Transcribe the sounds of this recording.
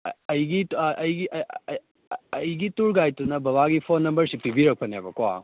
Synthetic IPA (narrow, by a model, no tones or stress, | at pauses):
ɐjɡiʔɐjɡiʔ | ɐjɡituɾɡajtunɐbɐβaɡipʰonːɐmbɐɾsitibiɾɐk̚pʰɐnabɐkwa